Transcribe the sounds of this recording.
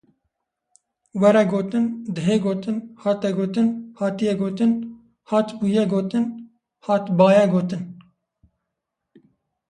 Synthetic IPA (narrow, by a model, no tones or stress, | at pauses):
wɛɾɛɡoːt̪ɨnd̪ɨɦeːɡoːt̪ɨnhɑːt̪ɛɡoːt̪ɨnhɑːt̪ijɛɡoːt̪ɨn | hɑːt̪buːjɛɡoːt̪ɨn | hɑːt̪bɑːjɛɡoːt̪ɨn